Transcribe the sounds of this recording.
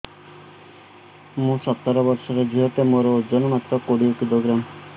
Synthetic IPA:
mũsɔt̪ːɔɾɔbɔɾʃɔɾed͡ʒʱiɦɔt̪emoɾod͡ʒɔnɔmat̪ɾɔkoɽiukid̪oɡɾam

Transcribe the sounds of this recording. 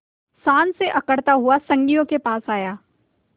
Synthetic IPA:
saːnseʔɐkəɽt̪aɦʊasɐ̃ŋɡijõkepaːsaːjaː

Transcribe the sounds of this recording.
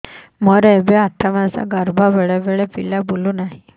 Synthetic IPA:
mɔɾɛbeaʈ̪ʰamãsa̰ɡəɾbʱaʋeɭɛʋeɭɛpilabolunaɦi

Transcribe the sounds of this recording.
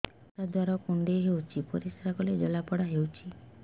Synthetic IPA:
t̪ad̪ʱwaɾɔkuɳɖeɦewt͡ʃʰipɔɾisɾakɔled͡ʒɔlapɔɽaɦewt͡ʃʰi

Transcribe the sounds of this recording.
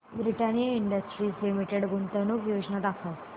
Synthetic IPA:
bɾiʈanjəiɳɖəsʈɾiːslimiʈeɽɡunt̪ənukjod͡ʑnat̪akʰə

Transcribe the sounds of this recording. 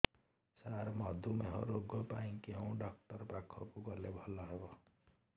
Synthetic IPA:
saɾmɔd̪ʱumeɦɔ̰ɾoɡɔpaĩkeũɖɔkʈɔɾpakʰɔkukɔlebʱɔlɔɦebɔ

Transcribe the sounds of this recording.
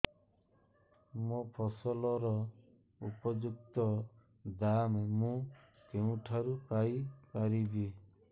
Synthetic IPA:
mɔpʰɔsɔlɔɾɔ | upɔd͡ʒuk̚t̪ɔ | d̪amemũ | keũʈʰaɾukaikaɾibi

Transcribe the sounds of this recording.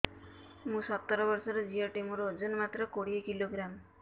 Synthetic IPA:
mũsɔt̪ːɔɾɔbɔɾsɔɾɔd͡ʒijaʈemuɾːd͡zunmat̪ɾɔkoɽiekiloɡɾam

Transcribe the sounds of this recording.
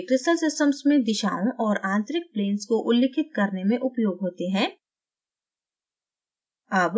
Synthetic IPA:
kɾɪsʈəlsɪsʈəmsmẽd̪ɪʃa̰ːõʔɔːɾãːnt̪ɾɪk̚pleːnskoʔʊlːɪkʰɪt̪̚kɐɾnemẽʔʊpjoːɡɦoːt̪eɦɛ̃ː | ɐb

